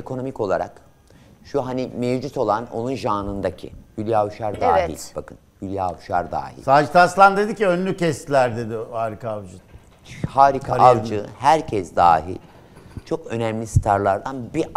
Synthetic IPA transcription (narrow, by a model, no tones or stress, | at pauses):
ekʰo̞no̞mico̞lˠaɾa̰k | ʃuɦanimevd͡ʒut̪ʰo̞lˠano̞̰nunʒaːnɯnd̪acʰḭhylʲjaːuʃaɾd̪aːḭlʲb̥akʰɯnhylʲjaːuʃaɾd̪a̰ːhḭlʲsaːd͡ʒit̪ʰaslˠand̪e̞d̪iciønlʲycʰɛst̪lʲæɾd̪e̞d̪ɪhaːɾikʰavd͡ʒɯ | haːɾikʰaʔavd͡ʒɯhæɾcʰɛsd̪a̰ːɦḭlʲ | t͡ʃʰo̞kø̞nɛmlʲisɨ̥t̪ʰaɾlˠaɾd̪anbi